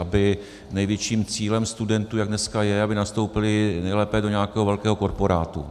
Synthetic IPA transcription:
ʔabɪ | nɛjvjɛt͡ʃiːmt͡siːlɛmst̪udɛnt̪uːjaɡ̚dnɛskajɛabɪnast̪o̞wpɪlɪnɛjlɛːpɛdoɲɛakɛːɦovɛlkɛːɦo̞ko̞ɾpo̞ɾa̰ːt̪ṵ

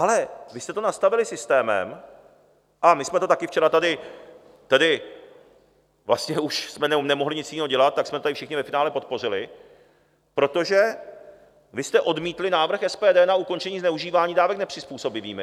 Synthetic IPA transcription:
ʔalɛvɪst̪ɛt̪o̞nast̪avɪlɪsɪst̪ɛːmɛ̰m | ʔamɪsmɛt̪o̞t̪akɪft͡ʃɛɾat̪adɪ | t̪adɪ | vlast̪ɲɛuʃsmɛnɛomnɛmoɦlɪɲɪt͡sjɪniːɦoɟɛlat̪̚t̪ːaksmɛt̪ot̪adɪfʃɪxɲɪvɛfɪnaːlɛpo̞t̪̚po̞r̝ɪlɪ | pɾo̞t̪o̞ʒɛ | vɪst̪ɛʔo̞dmiːt̪lɪnaːvr̩xɛspɛːdɛːnauko̞nt͡ʃɛɲiːznɛuʒiːvaːɲiːdaːvɛknɛpr̥ɪspuːso̞bɪviːmɪ

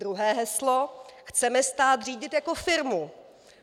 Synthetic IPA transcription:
ɾuɦɛːɦɛsloxt͡sɛmɛst̪aːt̪r̝iːɟɪt̪jako̞fɪɾmu

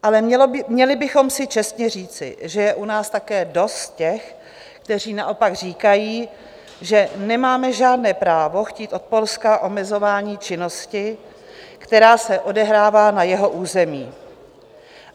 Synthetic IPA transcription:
ʔalɛɛmɲɛlɪbɪxo̞msɪt͡ʃɛst̪ɲɛr̝iːt͡sɪ̰ʒɛjɛʔunaːst̪akɛːdo̞st̪̚cɛx | kt̪ɛr̝iːnaʔo̞paɡr̝iːkajiː | ʒɛnɛmaːmɛʒaːdnɛːpɾaːvo̞xciːt̪ʔo̞t̪̚po̞lskaʔo̞mɛzo̞vaːɲiːt͡ʃɪno̞scɪ | kt̪ɛɾaːsɛʔo̞dɛɦɾaːvaːnajɛɦo̞ʔuːzɛmiː

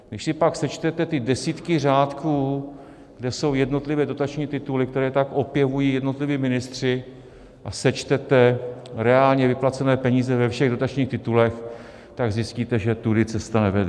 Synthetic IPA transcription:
ɡnɪʃsɪpaksɛt͡ʃt̪ɛt̪ɛt̪ɪdɛsiːt̪kɪr̝aːt̪kuː | ɡ̥dɛso̞wjɛdno̞t̪lɪvɛːdo̞t̪at͡ʃɲiːt̪ɪt̪ulɪk̚t̪ɛɾɛːt̪akʔo̞pjɛvujiːjɛdno̞t̪lɪviːmɪnɪst̪r̝̥ɪ | ʔasɛt͡ʃt̪ɛt̪ɛɾɛaːlɲɛvɪplat͡sɛnɛːpɛɲiːzɛvɛfʃɛɣdo̞t̪at͡ʃɲiːxt̪ɪt̪ulɛx | t̪aɡzɪsciːt̪ɛʒɛt̪udɪt͡sɛst̪anɛvɛdɛ

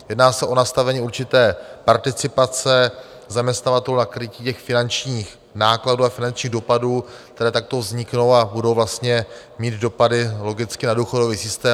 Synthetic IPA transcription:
jɛdnaːsɛʔo̞nast̪avɛɲiːuɾt͡ʃɪt̪ɛːpaɾt̪ɪt͡sɪpat͡sɛ | zamɲɛst̪navat̪ɛlunakɾɪciːcɛxfɪnant͡ʃɲiːx | naːkladuːafɪnant͡ʃɲiːɣdo̞paduːkt̪ɛɾɛːt̪ak̚t̪o̞vzɲɪkno̞wabudo̞wvlast̪ɲɛ | miːd̪do̞padɪlo̞ɡɪt͡skɪnaduːxodo̞viːsɪst̪ɛː

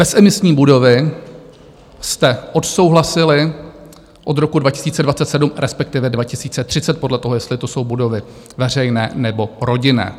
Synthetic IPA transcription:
b̥ɛsɛmɪsɲiːbudo̞vɪ | st̪ɛʔo̞t̪so̞wɦlasɪlɪ | ʔo̞d̪ɾo̞kudvacɪ̥siːt͡sɛdvat͡sɛt̪sɛdumɾɛspɛk̚t̪ɪvɛdvacɪsiːt͡sɛt̪r̝̥ɪt͡sɛt̪̚po̞dlɛt̪o̞ɦojɛst̪lɪt̪o̞so̞wbudo̞vɪ | vɛr̝ɛjnɛ̰ːnɛbo̞ɾo̞ɟɪnɛ̰ː

